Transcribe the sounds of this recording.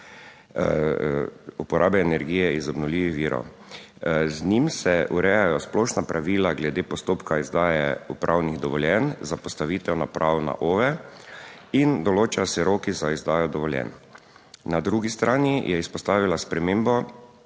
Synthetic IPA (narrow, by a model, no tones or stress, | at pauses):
upɔɾʔaːbɛːnɛɾɡiːjɛizɔbnɔlʲiːʋiʋiːɾɔ̰w | znimsɛuɾɛjajɔsplɔʃnapɾʔaʋiːlaɡlɛd̪eːpɔst̪oːpkaizd̪aːjɛupɾʔawniɣd̪ɔʋɔljɛnzapɔst̪aʋiːt̪ɛwnapɾʔawna̰ʔoːʋɛ | ind̪ɔloːt͡ʃajɔsɛɾoːkizaizd̪aːjɔd̪ɔʋɔljɛ̰nː | ad̪ɾuːɡist̪ɾʔaːnijʔɛispɔst̪aːʋilaspɾɛmeːmbɔ